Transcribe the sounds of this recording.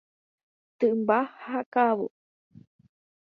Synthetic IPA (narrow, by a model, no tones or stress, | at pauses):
t̪ɨʔmbahakaβo̰